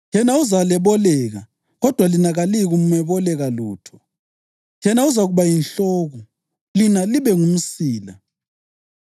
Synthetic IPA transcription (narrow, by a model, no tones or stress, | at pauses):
ɛnauzalɛβɔlɛɣa̰ | ɣɔd̥ʱwalinaɣaliɣumɛβɔlɛɣaluːtʰɔ̥ | jɛnauzaɣuβajinɬɔːɣɔ | linaliβɛŋum̩siːla̰